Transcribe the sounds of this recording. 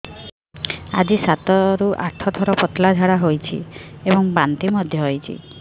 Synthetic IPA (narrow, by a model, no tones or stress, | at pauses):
a̰d͡ʒisat̪ɔɾuʔa̰ʈʰɔt̪ʰɔɾɔpɔt̪lad͡ʒʱaɽaɦojt͡ʃʰḭebɔŋbant̪imɔd̪ʱjɔɦojt͡ʃʰḭ